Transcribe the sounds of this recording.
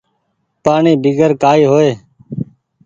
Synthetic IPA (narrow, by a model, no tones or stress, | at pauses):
paːɳiːbʱɪɡʱəɾkaːiːɦoːeː